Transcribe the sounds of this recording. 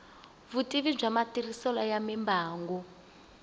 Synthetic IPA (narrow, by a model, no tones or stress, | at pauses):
βutʼiβib͡ʐamatirisɔlajamɛmbaːŋɡɔ